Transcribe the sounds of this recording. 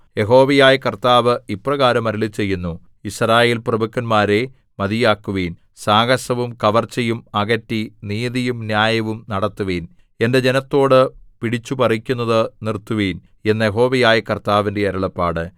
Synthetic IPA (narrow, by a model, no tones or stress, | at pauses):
je̞ɦo̞ːʋɐjaːjɐkɐrt̪aːʋɨiprɐɣaːɾɐmɐɾiɭit͡ɕe̞jːunːu | isɾaːjeːlprɐbukːɐnmaːɾe̞ | mɐðijaːkːuʋiːn | saːɡɐʂɐʋumkɐʋɐrt͡ɕːɐjumɐɣɐtːiniːðijumnjaːjɐʋumnɐɽɐt̪ːuʋeːn | e̞nde̞d͡ʑe̞nɐt̪ːo̞ːɽɨpiɽit͡ɕːupɐrikʲːunːɐðɨnirt̪ːuʋiːn | e̞nːɐjeɦo̞ːʋɐjaːjɐkɐrt̪aːʋinde̞ɐɾɐɭɐpːaːɽɨ